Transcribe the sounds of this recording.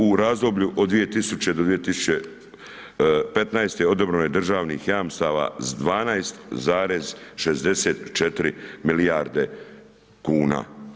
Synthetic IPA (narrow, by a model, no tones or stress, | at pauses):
uɾaːzd̪o̞bʎuʔod̪d̪ʋije̞t̪isut͡ɕe̞d̪od̪ʋije̞t̪isu̥t͡ɕe | pe̞t̪najst̪eo̞d̪obɾoned̪r̩ʒaːʋnḭːxjaːmst̪aːʋa̰ːzd̪ʋaːnaest̪zaːɾezʃezd̪e̞seːt̪t͡ʃet̪ɾimiliaɾd̪e | kuːna̰ː